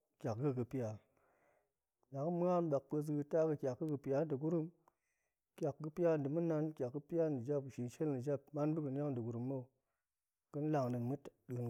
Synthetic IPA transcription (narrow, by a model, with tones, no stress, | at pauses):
kʲa˨kɡɨ˦kɨ˨pi˦ja˨ | da˨ŋ˦mu˦ŋa˦nɓa˨k̚pə˧s̬ɡɨ˧ta˦kə˨kʲa˨kɡɨ˦kɨ˨pi˨ja˨˦dɨ˨ɡu˦ɾu˦m | kʲa˨kɡɨ˦pi˦ja˦ndɨ˨mu˦na˦nkʲa˨kɡɨ˦pi˦ja˦n˨ɨ˨d͡ʒa˦pu˨ʃi˨nʃe˦lnɨ˨d͡ʒa˦p̚ma˦nbɨ˦kɨ˨n˦ja˦ŋdɨ˨ɡu˨ɾu˨mːo˦˨ | kɨ˦n˦la˨ŋnɨ˨mɨ˦tɗɨ˨n